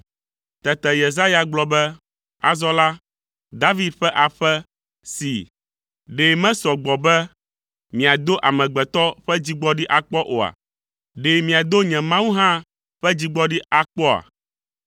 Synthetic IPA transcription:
t̪ɛ˨t̪ɛ˨je˨za˦ja˨ɡ͡blɔ˦bɛ˦ | a̰˨zɔ˦la˦ | d̪a˦vi˦d̪ɸɛ˦ʔa˨ɸɛ˦ | si˨ | ɖe˨mɛ̃˦sɔ˨ɡ͡bɔ˨bɛ˦ | mĩ˨a˨d̪o˦ʔa˨mɛ̃˨ɡ͡bɛ˨t̪ɔ˦ɸɛ˦d͡ʑi˦ɡ͡bɔ˦ɖi˦ʔa˨k͡pɔ˦ʔo˨a̰˨ | ɖe˨mĩ˨a˨d̪o˦ɲɛ̃˨mã˦wu˦ɦã˦ | ɸɛ˦d͡ʑi˦ɡ͡bɔ˦ɖi˦a˨k͡pɔ˦a̰˨

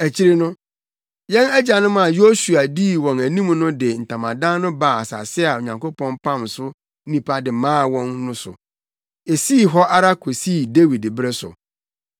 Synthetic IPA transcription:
æ˨t͡ɕʰi˦ɾi˦nʊ̃˦ | jɛ̃˦nɛ˦d͡ʑa˨nʊ̃˦m˦ã˨jo˦su˨a˨di˦˨wɔ̃˨næ˨nĩ˦mnʊ̃˦dɪ˨n̩˨tʰã˨mã˨dã˦nʊ̃˦ba˨a˨sa̰˨sɪ˦a˨o˨ɲã˨ŋko˦pʰɔ̃˦npʰã˦˨msʊ˦ | nĩ˨pʰa˦dɪ˨mãː˦˨wɔ̃˦nːʊ̃˦sʊ̰˨ | e˨siː˦˨ɦɔ˦ʔa˦ɾa˦kʰo˨siː˦˨de˦wi˨dbɾe˦sʊ̰˨

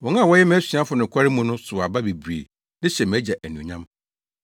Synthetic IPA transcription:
wɔ̃˨˦ŋã˦˨wɔ˦jɛ˦m˨˦sĩ˨˦a˦fʊ˨nʊ̃˨kʰʷa˦ɾɪ˦mũ˨nʊ̃˦sʊ˨a˨ba˦bi˨bɥḛ˨ | nɪ̃˦ɕɛ˨m˨æ˦d͡ʑɛ˨ʔæ˨nũ˨ɲã˦m

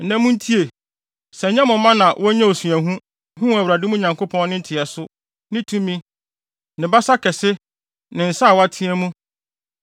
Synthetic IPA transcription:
n̩˨næ̃˨mũ˦n̩˦tʰi˦e˨ | sɛ˨ɲɛ̃˦mʊ̃˨˦mã˦nã˨wʔɔ˦ɲɛ̃˦o˨su˨æ˨ɦũ˦ | ɦũ˦æ˨wɾa˨dɪ˦mũ˦˨ɲã˨ŋkʰo˦pʰɔ̃˦nnɪ̃˦n̩˦tʰɪ˨ɛ˨sʊ˦ | nɪ̃˦tʰũ˦mĩ˦ | nɪ̃˨ba˦sa˦kʰɛ˨sɪ˦ | nɪ̃˨n̩˨sa˦˨wa˦tʰɪ̃˦ɛ̃˦mũ˦

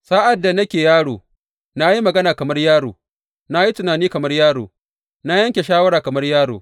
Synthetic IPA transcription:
sa˦ʔa˨dːa˨nɐ˦kʲeː˨jaː˦ɽoː˨ | na˦ji˦mɐ˨ɡɐ˦naː˨kɐ˨mɐ˦rjaː˦ɽoː˨ | na˦ji˦tʊ˨naː˨niː˦kɐ˨mɐ˦rjaː˦ɽoː˨ | na˦jɐ˦ŋkʲe˨ʃaː˦wɐ˦ɾaː˨kɐ˨mɐ˦rjaː˦ɽoː˨

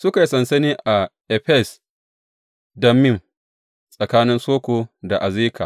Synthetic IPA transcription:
sʊ˦ka˨ji˦sɐ˨nsɐ˦niː˦ʔa˨ʔɛ˨ɸɛ˦˨s | dɐ˦mːɪ˦˨ŋ | sʼɐ˨kaː˦nɪ˦nsoː˦kʷoː˨da˨ʔa˨ziː˦kʰa̰˨

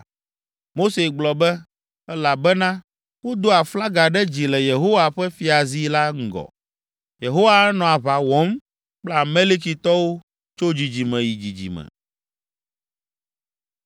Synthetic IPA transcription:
mo˦se˨ɡ͡blɔ˨bɛ˦ | ɛ˦la˨bɛ˦nã˦ | wo˦d̪o˦a˨fla˦ɡa˨ɖɛ˦d͡ʑi˨lɛ˨je˨ɦo˦wa˨ɸɛ˦fi˨a˨zi˦la˦ŋ̩˦ɡɔ̰˨ | je˨ɦo˦wa˦ɛ˦nɔ̃˨a˨βa˨wɔ˦m | k͡pla˦˨me˦li˦k̬i˨t̪ɔ˦wo˦ | t͡ʃo˦d͡ʑi˨d͡ʑi˨mɛ̃˨ji˨d͡ʑi˨d͡ʑḭ˨mɛ̰̃˨

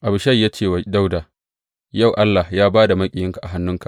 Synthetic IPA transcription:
ʔa˨bʃa˦˨jːaː˦t͡ʃeː˦˨wa˨da˦wda˨ | ja˦˨wʔa˦lːa˨jaː˦baː˦da˨mɐ˦kʲʼɪ˨jɪ˦ŋka˨ʔa˨ɦa˦nːʊ˦ŋka˨

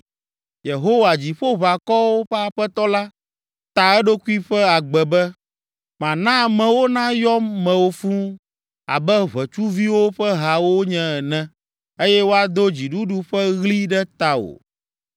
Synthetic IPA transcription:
je˨ɦo˦wa˨d͡ʑi˨ɸo˦βa˨kɔ˦wo˦ɸɛ˦a˨ɸɛ˦t̪ɔ˦la˦ | t̪a˨ɛ˦ɖo˦ku˦i˦ɸɛ˦a˨ɡ͡bɛ˨bɛ˦ | mã˨nã˦mɛ̃˨wo˦nã˦jɔ˦mːɛ̃˨wo˦fũ˦ | a̰˨bɛ˦βɛ˨t͡ʃu˦vi˦wo˦ɸɛ˦ɦa˨wo˦ɲɛ̃˦ɛ˨nɛ̃˦ | e˦jɛ˦wo˦a˨d̪o˦d͡ʑi˨ɖu˦ɖu˦ɸɛ˦ɣli˦ɖɛ˦t̪a˨o̰˨

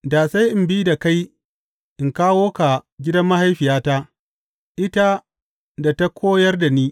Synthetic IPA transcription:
daː˨sa˦jʔɪ˨mbiː˦da˨ka˦j | ʔɪ˨ŋkaː˦woː˦ka˨ɡʲɪ˦dɐ˦mːa˦ha˦jɸɪ˨jaː˦ta˦ | ʔɪ˦ta˦ | da˨ta˦kʰʷoː˦jɐ˦rda˨niː˦

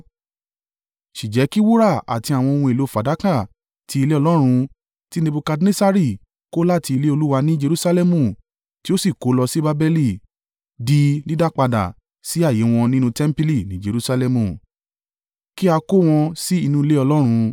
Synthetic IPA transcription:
ʃi˨d͡ʒɛ˨˦ki˦wu˦ɾa˦˨a̰˨ti˧a˨w̃ɔ̃˧o˧wũ˧i˨lo˨˦˨fa˨˦da˨˦kã˦˨ | tʰi˨˦i˧le˦ɔ˧lɔ˦ɾ̃ũ˧ | ti˦nẽ˧bu˧ka˧dnẽ˦sa˦ɾi˦˨ | ko˦la˦˨ti˧i˧le˦o˧lu˦wa˧nĩ˦d͡ʒe˧ɾu˦sa˦lɛ˦mũ˦˨ | ti˦o˦si˦˨ko˨˦lɔ˧si˦ba˦bɛ˦li˦˨ | di˦nĩ˦da˦k͡pa˧da̰˨ | si˨˦a˦˨je˨˦w̃ɔ̃˧nĩ˦nũ˧tɛ˦m̩˦pi˦li˦˨nĩ˨˦d͡ʒe˧ɾu˦sa˧lɛ˧mũ˨ | ki˦a˧ko˦w̃ɔ̃˧si˦i˧nũ˦i˧le˦ɔ˧lɔ˦ɾ̃ũ˧

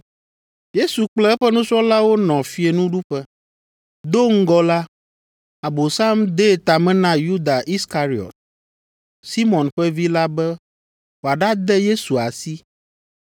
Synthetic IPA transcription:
je˦su˨k͡plɛ˦ɛ˦ɸɛ˦nũ˦t͡ʃɔ˦la˦wo˦nɔ̃˨fi˦e˨nũ˦ɖu˦ɸɛ˦ | d̪o˦ŋ̩˦ɡɔ˦la˦ | a˨bo˨sa˦md̪ɛ˦˨t̪a˨mɛ̃˦nã˦ju˦d̪a˨ʔi˦ska˦ɾi˨ɔ̰˨t̪̚ | si˦mɔ̃˨nɸɛ˦vi˦la˦bɛ˦ | wo˨a˨ɖa˦d̪ɛ˦je˦su˨a˨si˦

